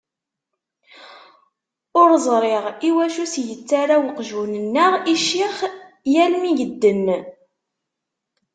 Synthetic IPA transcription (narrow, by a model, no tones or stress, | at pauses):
ʊɾzˤɾˤeʁiwæʃusjət͡sːaɾawəqʒunənːəʁiʃːiχ | jælmiʝəd̪ːən